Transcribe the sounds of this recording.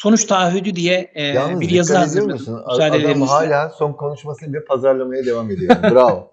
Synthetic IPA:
so̞nut͡ʃt̪ʰaːɦyd̪yd̪ijɛjabiɾjazɯazɯanyzaːd̪eeeɾimiɦaːlʲaːso̞nkʰo̞nuʃmasɯnd̪ɛpʰazaɾlˠamajad̪e̞vame̞d̪ijoɾɾav

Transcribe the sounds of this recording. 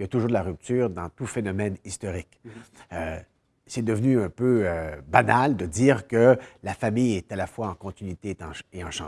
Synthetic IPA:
jat̪uʒuːd̪əlaʁyp̚t̪yːʁd̪ɑ̃t̪ufenɔmɛnist̪ɔʁikø | sɛd̪əvnyɛ̃pøøbanald̪əd̪iːʁkəlafamijɛt̪alafwaɑ̃kɔ̃t̪inɥit̪eɑ̃eɑ̃ʃɑ̰̃

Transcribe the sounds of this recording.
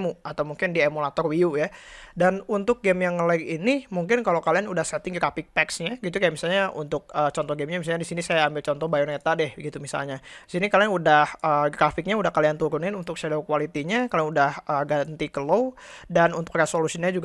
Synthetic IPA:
muat̪awmuŋkɪndiemulat̪ɔrwiujadanunt̪ʊk̚ɡɛmjaŋələɪkinimuŋkɪnkalokalianudahsɛt̪ɪŋɡɾafɪk̚t̪ɛksɲaɡit̪̬ukajamisalɲaʔṵnt̪ʊk̚əːt͡ʃɔnt̪ɔɡɛmɲamis̬alɲadisinisajaːmbɪlt͡ʃɔnt̪ɔhbajɔnet̪adɛhɡit̪umisa̰lɲaisinikaliaŋudahəɡɾafɪk̚ɲaudahkaliant̪uɾunɪnunt̪ʊk̚ʃadakuwalit̪iɲakalianudahʔəːɡant̪ikəlow | danunt̪ʊ̥kresolusiɲad͡ʒuɡ

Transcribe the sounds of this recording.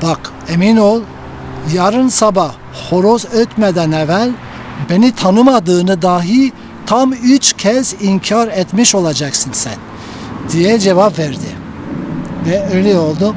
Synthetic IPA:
b̥ak | eminolˠ | jaɾɯnsabah | ho̞ɾozøt̪med̪ænɛvælʲ | benit̪ʰanɯmad̪ɯːnɯd̪aːɦi | t̪ʰamyt͡ʃcʰɛziɲcʰaɾɛt̪miʃo̞lˠad͡ʒaksɯnsæn | d̪̥ijɛd͡ʒevapvɛɾd̪i | vɛøjlʲɛo̞lˠd̪u

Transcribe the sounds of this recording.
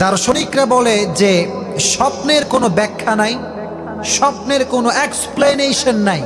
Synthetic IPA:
t̪aɾʃonikɾabɔled͡ʑe | ʃɔpneɾkonobɛkʰːanaj | ʃɔp̚neɾkonoeksplenejʃonːaj

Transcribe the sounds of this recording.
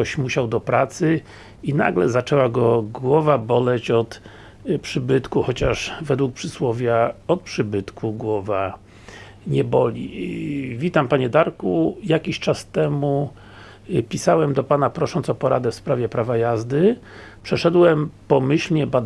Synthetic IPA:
ɔɕmuɕawd̪ɔpɾat̪sɘ | ina̰ɡlɛ̰zat͡ʂɛwaɡɔɡwɔvabɔlɛt͡ɕɔt̪ | pʂɘbɘt̪kuxɔt͡ɕaʂvɛd̪wuk̚pʂɘswɔvʲjaɔt̪̚pʂɘbɘt̪kʰuɡwɔva | ɲɛbɔlʲḭ | vʲit̪ampaɲɛd̪aɾkujakʲiɕt͡ʂast̪ɛmu | pʲisawɛmd̪ɔpanapɾɔʂɔnt̪ɔpɔɾad̪ɛfspɾavʲjɛpɾavajazd̪ɘ | pʂɛʂɛd̪wɛmpɔmɘɕlɲɛbad̪

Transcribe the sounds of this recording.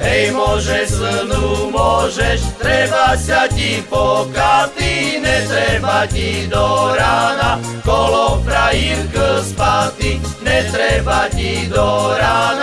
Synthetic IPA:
ɛjmʊɔʒɛsənumʊɔʒɛʃt̪ɾɛbasacipɔkat̪iɲɛt̪ɾɛbacid̪ɔɾaːna | kɔlɔpɾajiɾkəspat̪i | ɲɛt̪ɾɛbacid̪ɔɾaːna

